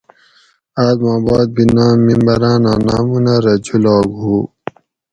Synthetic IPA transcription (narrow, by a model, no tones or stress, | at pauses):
aːd̪mãːbaːd̪̚binaːmːimbɐɾãːnaːnaːmunɐɾɐd͡ʑʰulaːɡɦuː